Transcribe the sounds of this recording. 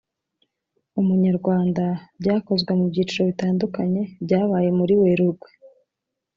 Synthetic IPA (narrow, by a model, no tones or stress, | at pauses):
umuɲaɾɡwaːndabɟaːko̞zɡwemubɟiːt͡ʃuɾo̞βitaːndukaɲe̞bɟaːβaje̞muɾiwe̞ɾuɡwe